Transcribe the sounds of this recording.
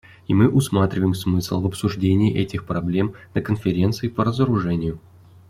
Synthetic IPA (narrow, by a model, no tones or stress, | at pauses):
imɨʔʊsmat̪ɾʲɪvəjɪmsmɨsl̩ˠvəpsʊʐdʲenʲɪːʔɛtʲɪxpɾɐblʲe̞mnəkənfʲɪɾʲe̞nt̪sɨɪpəɾəzəɾʊʐɛnʲɪjʊ